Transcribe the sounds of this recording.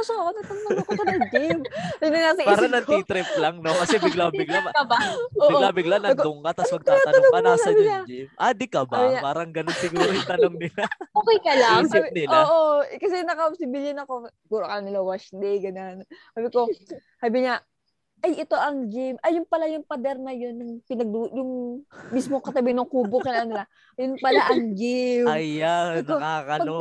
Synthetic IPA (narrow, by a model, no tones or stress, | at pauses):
ɐsoɐkonɐt̪ɐnnoŋɐkopɐlɐŋd͡ʒɪmnɐŋasɐpaːɾɐnɐnt̪it̪ɾɪp̚lɐŋnokɐsɛbɪɡlaːbɪɡlaŋɐbaoːbɪɡolabɪɡlanɐʊŋkat̪ɐsmɐɡ̚t̪aːaɐɐoŋɐasaɐbɪɲad͡ʒɪmʔad̪ikɐbabɲapaːɾɐŋɡɐnonsɪɡuːɾojt̪ɐnoŋnɪlaoːkɛjkɐlasɪnɪloːʔokɐsɛnɐkɐʊsɪbilɐnɐko̞sɪɡuːɾokɐlanɪlɐwɐʃd̪ɛjɡɐnonsaːbɪko̞ | saːbɪɲa | ʔɐjɪt̪o̞ʔɐŋd͡ʒɪmʔɐjʊŋpɐlajʊŋpɐd̪ɛɾnɐjo̞nːɐŋpɪnɐɡ̚d̪ujʊŋmismokɐt̪ɐbɪŋnʊŋkubʊkɐnɐɐnɪla | jʊnpɐlaʔɐŋd͡ʒɪmɐanokakɐpɐo